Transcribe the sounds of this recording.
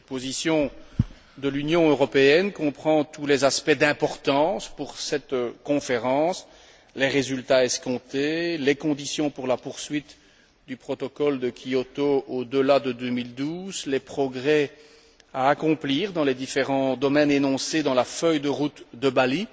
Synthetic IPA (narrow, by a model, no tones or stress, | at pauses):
pozisjɔ̃ | d̪əlynjɔ̃øʁɔpeɛnkɔ̃pχɑ̃t̪ulɛzaspɛd̪ɛ̃pɔʁt̪ɑ̃spuʁsɛt̪kɔ̃feʁɑ̃s | leʁezylt̪aɛskɔ̃t̪elɛkɔ̃d̪isjɔ̃puʁlapuʁsɥit̪ | d̪ypχɔt̪ɔkɔld̪əkʲiɔt̪ood̪əlad̪əd̪ømild̪uːzlɛpχɔɡʁɛ | aːkɔ̃pliːʁd̪ɑ̃lɛd̪ifeʁɑ̃d̪ɔmɛnenɔ̃sed̪ɑ̃lafœjd̪əʁut̪d̪əbali